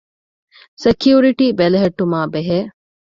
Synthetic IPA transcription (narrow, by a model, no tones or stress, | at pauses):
sekjuːɾiʈiːbelɐɦeʈːumaːbeɦeː